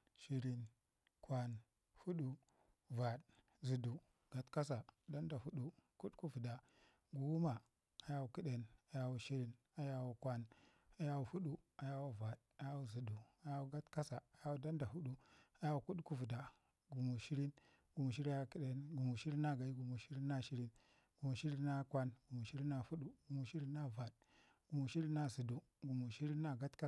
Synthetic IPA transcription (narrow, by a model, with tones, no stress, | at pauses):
ʃi˦ɾi˦n | kʷwa˨n | fu˦ɗu˦ | va˨d | zi˨du˨ | ɡ̥a˨tka˦s̬a˨da˦n˦da˨fu˦ɗu˨ku˦ɗku˦vu˨da˨ | ɡu˨wu˦ma˨ | a˨ja˦wu˨ki˦ɗe˨na˨ja˦wu˨ʃi˦ɾi˦n | a˨ja˦˨wu˨kʷa˨n | a˨ja˦wu˨fu˦ɗu˦a˨ja˦wu˦va˨d | a˨ja˦wu˦zi˨du˨a˨ja˦wu˦ɡa˦tka˦sa˨a˨ja˦wu˦˨da˦nda˨hu˦ɗu˦a˨ja˦wu˨ku˦ɗku˦vu˨da˨ | ɡu˨mu˨ʃi˦ɾi˦n | ɡu˨mu˨ʃ̬i˦ɾi˦ja˦˨ki˦ɗe˨nɡu˨mu˨ʃi˦ɾi˦na˦ɡa˨i˦ɡu˨mu˨ʃi˦ɾi˦nːa˦ʃi˦ɾi˦n | ɡ̥u˨mu˨ʃi˦ɾi˦na˦kʷa˦nɡu˨mu˨ʃi˦ɾi˦na˦˨fu˦ɗu˦ɡu˨mu˨ʃi˦ɾi˦na˦va˨d | ɡ̥u˨mu˨ʃi˦ɾi˦nːa˦˨zi˨du˨ | ɡu˨mu˨ʃi˦ɾi˦nːa˦˨ɡa˦tka˦